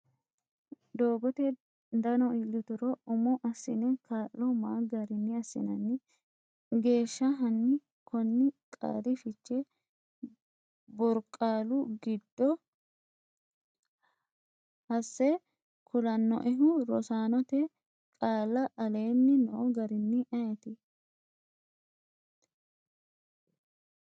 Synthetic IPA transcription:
d̪oːɡɔt̪ɛ | d̪ɐnɔilːʊt̪ʊɾɔʊmɔʔɐsːɪnɛkʰaːlːɔmaːɡɐɾɪnːɪɐsːɪ̰nɐnːɪ | ɡe̞ːʃːɐɦɐnːɪ | kʰɔnːɪkʼa̰ːɾɪfɪt͡ʃːɛ | bɔɾkʼːaːlʊɡɪd̪ːɔ | hɐsːɛ | kʰʊlɐnːɔ̰ʔɛɦʊɾɔsaːnɔt̪ɛ | kʼaːlːɐʔɐle̞ːnːɪno̰ːɡɐɾɪnːɪʔɐjɛt̪ɪ

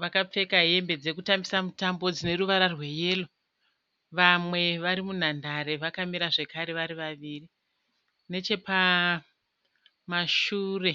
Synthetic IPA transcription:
ʋakap͡fe̞kaɦe̞mbe̞d͡ze̞kutambisamutambo̞d͡zine̞ɾuʋaɾarwe̞jeːlo | ʋamwe̞ʋaɾimun̤andaɾe̞ʋakamiɾaʐe̞kaɾe̞ʋaɾiʋaʋiːri | ne̞t͡ʃe̞pa | maʃuːre̞

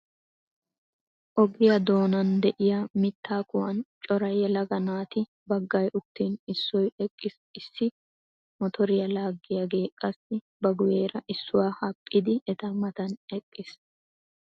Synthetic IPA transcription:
ʔɔɡɪjɐd̪o̞ːnɐnd̪ɛʔɪjamɪt̪ːaːkʊwɐnt͡ʃʼɔɾɐjɛlɐɡɐnaːt̪ɪ | bɐɡːɐjʔʊt̪ːiːnɪsːɔjɛkʼːɪs | ɪsːɪ | mɔt̪ʰɔɾɪjɐlaːɡːɪjaɡe̞ːkʼːɐsɪ | bɐɡʊjeːɾɐʔɪsːʊwaːhɐpʼːɪd̪ɪɛt̪ɐmɐt̪ɐnɛkʼːɪs

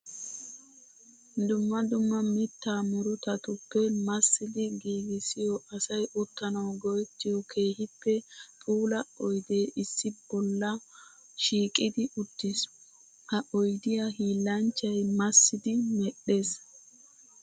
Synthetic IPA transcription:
d̪ʊmːɐd̪ʊmːɐmɪt̪ːaːmɔɾʊt̪ɐt̪ʊpːɛmɐsːɪd̪ɪɡiːɡɪsɪjɔɐsɐjʔɔt̪ːɐnɐwɡɔjt̪ːɪjɔkʰe̞ːhɪpːɛpʼuːlɐɔjd̪eːʔɪsːɪb̥ɔlːɐ | ʃiːkʼɪd̪ɪʔʊt̪ːɪs | hɐʔɔjd̪ɪjɐɦiːlːɐnt͡ʃːɐjmɐsːɪd̪ɪmɛɗːe̞ːs

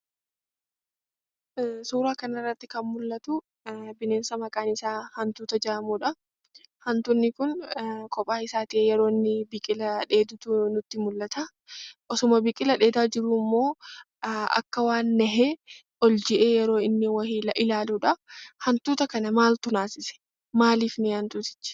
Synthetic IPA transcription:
suːɾaːkɐnɐɪrːɐt̪ːɪkɐnmʊlːɐt̪ʊ | bɪne̞ːnsɐmɐkʼaːnɪsaːhɐnt̪uːt̪ɐd͡ʒɐaːɐmuːᶑɐ | hɐnt̪ʊnːɪkʊnkʰʼɔpʼaːɪsaːt̪ɪʔeːjɛɾo̞ːɪnːɪbɪkʼɪlɐᶑe̞ːd̪ʊt̪ʊnʊt̪ːɪmʊlːɐt̪a | ʔɔsʊmɐbɪkʼɪlɐᶑe̞ːd̪aːd͡ʒɪɾʊmːo̞ː | ɐ̰kːɐwaːnːɐɦeː | ʔɔld͡ʒɪʔeːjɛɾo̞ːɪnːɪwɐhiʔɪlaːluːᶑɐhɐnt̪uːt̪ɐkɐnɐmaːlt̪ʊnaːsɪsɛ̥ | maːliːfneːhɐnt̪uːt̪ɪ̥t͡ʃːɪ̥

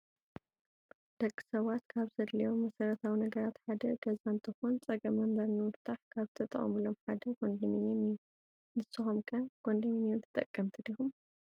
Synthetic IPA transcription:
d̪̥ɐkʼːi̥sɐβat̪kʰaβzɐd̪lijo̞mːɐsɐɾɐt̪ʰawinɐɡɐɾat̪ħad̪ɐɡ̥ɐzaɨnt̪ʰɨxont͡sʼɐɡɐmɐmbɐɾnɨmɨɾt̪ʰaħkʰaβzɨt̪ʰɐt̪ʼɐ̰χʼɐ̰mulomħad̪ɐɡo̞nd̪iminemijːu | nɨsɨxomkʰɐɡ̥o̞nd̪iminijont̪ʰɨt̪ʼɐkʼːɐmt̪ʰɨd̪ixum

